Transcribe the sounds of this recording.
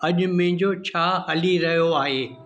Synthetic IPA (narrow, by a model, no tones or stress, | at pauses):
ɐʄʊ̆mɐ̃ɦɪ̃ɲd͡ʑot͡ɕʰaːɦɐliɾɐɦijoaːɦeː